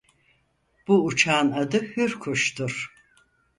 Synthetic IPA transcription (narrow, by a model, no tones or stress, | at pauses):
b̥uːt͡ʃʰaːnad̪ɯhyɾkʰuʃt̪ʰuɾ̥